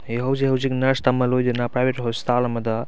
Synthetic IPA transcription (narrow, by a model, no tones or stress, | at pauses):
eɦɐwziɦɐwziknɐɾst̪ɐmɐlojd̪inapɾajbʱeʈɦɔst̪ʰalɐmɐd̪ɐ